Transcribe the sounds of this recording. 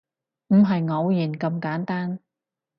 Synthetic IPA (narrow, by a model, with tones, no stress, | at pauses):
m̩˨˩ɦɐ˨jŋɔ˨˧wjiː˨˩nkɐ˧mkaː˨˥nt̪aː˥n